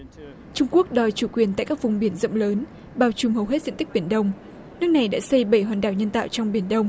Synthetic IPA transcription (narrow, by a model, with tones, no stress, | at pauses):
t͡ɕʊ˧ŋ͡mku˦˥ək̚ɗɔ˨˩jt͡ɕu˧˩kwi˨˩ənt̪a̰ː˧˨jkaː˦˥k̚vʊ˨˩wŋ͡mɓi˧˩ənzə̰˧˨wŋ͡mləː˨˦n | ɓaː˨˩wt͡ɕʊ˨˧ŋ͡mɦə˨˩wɦe˦˥t̚zḭ˧˨ŋt̪i˦˥k̚ɓi˧˩ənɗə˧wŋ͡m | nɨ˦˥ək̚na˨˩jɗa̰ː˧˥sə˧jɓə˧˩jhwaː˨˩nɗaː˧˩wɲə˧nt̪a̰ː˧˨wt͡ɕɔ˧wŋ͡mɓi˧˩ənɗə˧wŋ͡m